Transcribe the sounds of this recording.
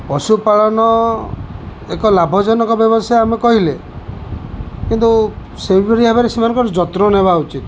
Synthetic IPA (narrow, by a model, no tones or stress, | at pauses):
pɔsupaɭɔnɔ | ekɔlabʱɔd͡ʒɔnɔkɔbjɔbɔsajamekɔɦile | kint̪u | sebeɾiɦabeɾesimanɔŋkɔɾd͡ʒɔt̪ɾɔnebaut͡ʃit̪